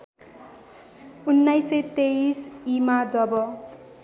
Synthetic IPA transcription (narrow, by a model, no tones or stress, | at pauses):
unːajset̪eisimad͡zʌbʌ